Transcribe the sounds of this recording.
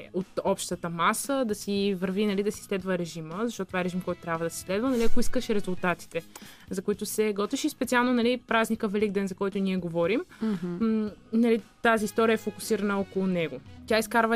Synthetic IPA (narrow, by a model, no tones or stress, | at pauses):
ot̪ɔpʃt̪ət̪əmasəd̪ɐsivəɾvinɐlid̪ɐsislɛd̪vəɾɛʒiməzɐʃt̪ɔt̪t̪ːvaɛɾɛʒimkɔjt̪ʊt̪ɾʲjabvəd̪ɐsi̥slɛd̪vənɐliɐkoiskəʃɾɛzulˠt̪at̪i̥t̪ɛ | zɐkoit̪ʊsɛɡɔt̪viʃifspɛt̪sialˠnonɐlipɾaznikəvɛliɡ̚d̪ɛnzɐkɔjt̪ʊniɛɡovɔɾim | nɐlit̪aziːst̪ɔɾiəɛfokʊ̥siɾɐnəɔkolˠʊnɛɡot̪ʲjaiskaɾvə